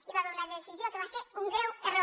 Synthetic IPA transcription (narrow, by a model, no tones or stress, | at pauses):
iβaβeunaðesizjokeβaseɾuŋɡɾewero